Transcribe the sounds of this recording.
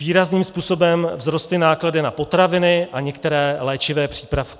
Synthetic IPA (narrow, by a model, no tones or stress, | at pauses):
viːɾazniːmspuːso̞bɛmvzɾo̞st̪lɪnaːkladɪnapo̞t̪ɾavɪnɪʔaɲɛkt̪ɛɾɛːlɛːt͡ʃɪvɛːpr̝̥iːpɾafk